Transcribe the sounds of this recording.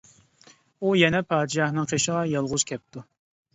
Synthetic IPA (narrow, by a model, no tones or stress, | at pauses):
ujɛnɛpʰɑːd̪ɪʃɑhnɨŋqʰeʃəʁɑjɑlˠʁʊz̥kʲʰɛp̚t̪u